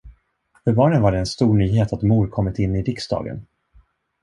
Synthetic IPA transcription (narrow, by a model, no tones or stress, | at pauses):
fœɾbɑːɳənvaɖɛːnst̪uːɳyːɦeːt̪at̪muːɾkʰɔmːɪt̪ɪnːɪɾɪksd̪ɑ̰ːɡə̰n